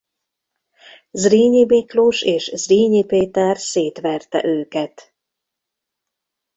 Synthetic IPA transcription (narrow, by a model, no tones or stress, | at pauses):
zriːɲibikluʃeːʃzriːɲipeːt̪ɛrseːt̪ʋɛrt̪ɛ̰ʔøːkɛt̪